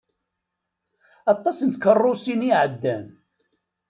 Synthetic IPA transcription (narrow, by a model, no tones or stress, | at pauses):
ɑt̪ˤːɑsənt̪kərˤːosiniʕəd̪ːæn